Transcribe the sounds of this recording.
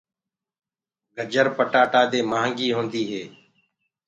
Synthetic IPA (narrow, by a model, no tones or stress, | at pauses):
ɡʱəd͡ʒəɾpəʈaːʈaːd̪eːmaːŋɡiːɦõːnd̪iːɦeː